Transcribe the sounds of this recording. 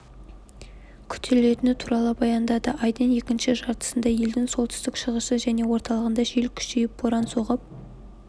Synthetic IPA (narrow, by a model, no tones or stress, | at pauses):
kʲʰʏ̥t̪ʰele̞t̪ɪnɪt̪ʰuɾɑlˠəbɑjɑnd̪ɑd̪əʔɑjd̪ene̞kʲɪnʃɪʒɑɾt̪ə̥sənd̪ɑje̞ld̪ɪŋso̞lˠt̪ʏ̥st̪ɪkʃəʁəʃəʒæne̞wo̞ɾt̪ɑlˠəʁənd̪ɑʒelkʲʰʏ̥ʃejɪp̚bʰoɾɑnso̞ʁəp̚